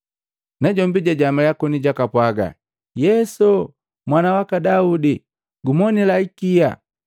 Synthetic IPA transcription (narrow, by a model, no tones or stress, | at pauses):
naɟɔmbiɟaɟamaljakɔniɟakapwaɡa̰ | jɛsɔ | mwanawakadaudi | ɡumɔnilaikija̰